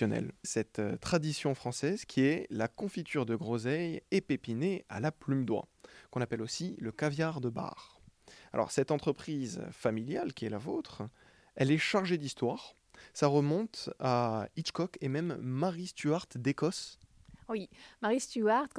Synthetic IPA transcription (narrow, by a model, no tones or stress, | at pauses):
ɔnɛ̰lsɛt̪ːχad̪isjɔ̃fχɑ̃sɛzkʲʰiɛlakɔ̃fit̪ʰyʁd̪əɡʁɔzɛjɛpepinea̰laplymd̪wa̰kɔ̃napɛlosiləkavjaʁd̪əba̰ʁa̰lʔɔ̰ʁsɛt̪ɑ̃t̪χəpχizfamiljalkʲiɛlavot̪χ | ɛlɛʃaʁʒed̪ist̪waʁ | saʁəmɔ̃t̪ait͡ʃkɔkemɛmːaʁist̪yaʁt̪d̪ekɔswimaʁist̪yaʁt̪